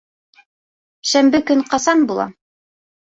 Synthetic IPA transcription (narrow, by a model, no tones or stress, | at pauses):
ʃæmbɘkɵɴqɑsɑnbulˠɑ̰